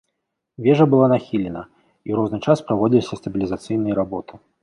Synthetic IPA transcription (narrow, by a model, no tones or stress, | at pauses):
vʲɛʐɐbɨlˠanaxʲilʲɛnɐ | iwɾɔznɨt͡ʂaspɾavɔd͡zʲilʲisʲɐst̪ɐbʲilʲizat̪sɨjnɨjɐɾabɔt̪ɨ̥